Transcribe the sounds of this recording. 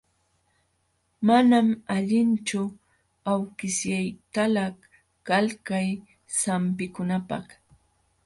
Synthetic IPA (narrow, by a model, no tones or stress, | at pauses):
manamaʎɪnt͡ʃʊ | awkɪsjajt̪alah | kalkaj | samp̬ɪkʊnapɑ̰χ